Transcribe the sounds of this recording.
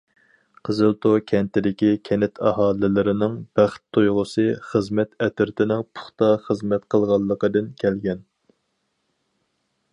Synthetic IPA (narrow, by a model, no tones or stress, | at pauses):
qʰəzɨlˠt̪ʰokʲʰɛnt̪ɪd̪ɪkʲikʲʰɛnɪt̪ʰɑɦɑːlˠɪlɪɾɪnɪŋb̥æχt̪ʰːujʁʊsɨχəzmɛt̪ʰɛt̪ʰɪɾt̪ʰɪnɪŋpʰʊ̥χt̪ɑχəzmɛt̪qʰəlˠʁɑlˠːəqəd̪ɨnkʲʰɛlɡʲɛn